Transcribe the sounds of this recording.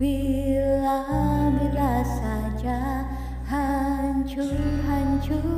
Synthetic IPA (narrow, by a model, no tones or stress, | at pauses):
ilabilasad͡ʒa | haɲt͡ʃuɦaɲt͡ʃu